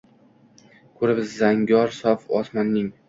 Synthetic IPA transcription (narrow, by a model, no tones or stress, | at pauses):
kʰɵɾɪbɪzːaŋɡʲɒɾsɒfɒsmɒnːɪŋ